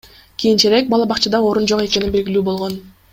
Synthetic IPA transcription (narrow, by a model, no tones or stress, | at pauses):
kʲʰijint͡ʃeɾe̞k̚bɑlˠɑbɑqt͡ʃɯd̪ɑo̞ɾund͡ʒo̞qe̞ke̞ninbe̞ɡilyːbo̞lˠʁo̞n